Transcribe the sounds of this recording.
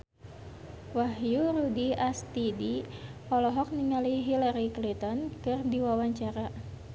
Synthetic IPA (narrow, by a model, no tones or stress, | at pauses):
waɦjuɾudiast̪idiɔlɔɦɔk̚niŋaliɦilaɾiklint̪ɔnkɨrdiwawaɲt͡ʃaɾa